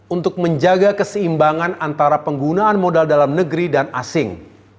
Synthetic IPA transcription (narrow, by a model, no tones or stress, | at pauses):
unt̪ʊk̚məɲd͡ʒaɡakəsəimbaŋanant̪aɾapəŋɡunaːnmodaldalamnəɡəɾidanasɪŋ